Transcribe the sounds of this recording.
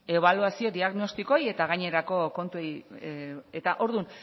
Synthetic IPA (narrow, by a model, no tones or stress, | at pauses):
e̞β̞aluasio̞d̪iaɣno̞st̪iko̞je̞t̪aɣajɲe̞ɾako̞ko̞nt̪uej | et̪aʔo̞ɾðun